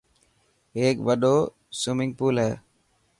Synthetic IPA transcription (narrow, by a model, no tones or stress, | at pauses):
eːkʋɐɖoː | sʊmɪŋɡpuːlɐ